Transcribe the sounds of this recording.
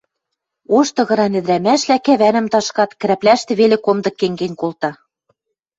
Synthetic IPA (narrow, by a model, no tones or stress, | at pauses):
oʃt̪ɤ̆ɣɤ̆ɾɑnɘ̆ðɾæmæʃlækæβænɘ̆mt̪ɑʃkɑt̪kɘ̆ɾæplæʃt̪ɘ̆βelĕkomd̪ɤ̆kːeŋɡenʲkolt̪ɑ